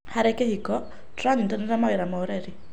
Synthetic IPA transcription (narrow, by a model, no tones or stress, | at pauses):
haɾɛkehikɔ | tɾaŋtanɛɾamawiɾamɔoɾɛɾi